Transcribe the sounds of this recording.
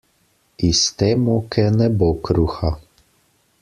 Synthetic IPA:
ist̪emukʰɛnɛbokɾuxa

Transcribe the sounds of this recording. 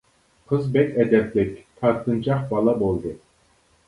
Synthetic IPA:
qʰɨzbɛkʲɛd̪ɛplɪkʲt̪ʰɑɾt̪ʰɯnt͡ʃʰɑχbɑlˠɑbolˠd̪ɨ

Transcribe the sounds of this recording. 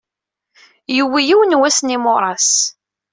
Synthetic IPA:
jəwːijiwənwæsnimʊɾˤɑs

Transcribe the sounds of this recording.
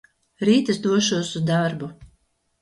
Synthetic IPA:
ɾiːt̪ɨsd̪uɔʃuɔsuzd̪aɾbu

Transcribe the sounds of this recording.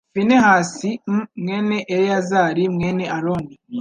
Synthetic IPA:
finehaːsimmŋeːneʔeɾejazaːɾimŋeːne̞ʔaɾoni

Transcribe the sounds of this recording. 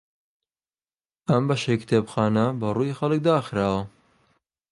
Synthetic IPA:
ɐmbɐʃejkɨ̥t̪ʰeːbxaːnɐbɐruːjixɐlɨk̚d̪aːxɾaːwɐ

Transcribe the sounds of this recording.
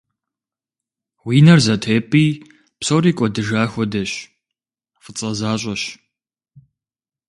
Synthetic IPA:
wiːnɐrzɐtʰeːpʼiː | psoːriːkʷʼɔdɨʒaːxʷɔdɐɕ | fɨt͡sʼɐzaːɕʷʼɐɕ

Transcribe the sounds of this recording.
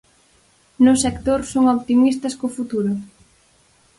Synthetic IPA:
nʊsekt̪oɾsoŋɔβt̪imist̪ɐskofut̪uɾʊ

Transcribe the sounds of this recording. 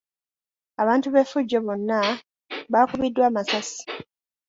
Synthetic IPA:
aβaːntuβe̞fuɟːoβo̞nːa | βaːkuβidːwaːmasasi̥

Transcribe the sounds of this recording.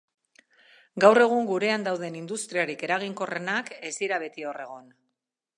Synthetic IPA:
ɡawre̞ɣ̞uŋɡuɾe̞and̪awð̞e̞nind̪ust̪ɾiaɾike̞ɾaɣ̞iŋko̞re̞nake̞siɾaβ̞e̞t̪io̞re̞ɣ̞on

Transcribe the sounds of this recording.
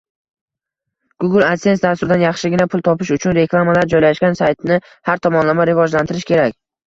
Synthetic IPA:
ɡ̥ʊɡɪlˠat̪se̞nsd̪ast̪ʊɾd̪anjɑχʃɪɡʲɪnapʰʊlˠt̪ʰɒpɪʃʊt͡ʃʰʊnɾe̞kʰlˠamalaɾd͡ʒɒjlaʃɡʲansajt̪nɪ | haɾt̪ʰɒmɒnlamaɾɪvɒd͡ʒlant̪ʰɪɾɪʃkʲʰe̞ɾakʲ

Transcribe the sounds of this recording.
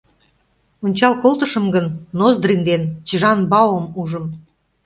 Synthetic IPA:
onʲt͡ɕɑlkolt̪ə̆ʃə̆mɡənːozd̪rind̪ent͡ɕəʒɑnbɑwomuʒə̆m

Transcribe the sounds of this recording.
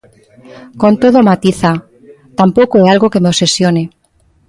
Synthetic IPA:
kont̪oðomat̪iθa | t̪ampokoealɣokemeopse̞sjone

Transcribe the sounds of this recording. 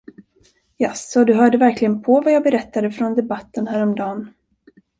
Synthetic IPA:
jasɔd̪ɵɦœːɖəvæɾklɪɡənpʰɔvajɑːɡbɛɾɛt̪ːad̪əfɾɔnd̪ɛbat̪ːənɦæːɾɔmd̪ɑːn

